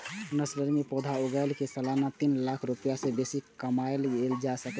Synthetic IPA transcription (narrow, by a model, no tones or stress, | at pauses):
nəsləɾmipod̪ʱaoɡəɪlkesəlanat̪inlakʰɾupəjasebesikəmaelɡeld͡ʒasək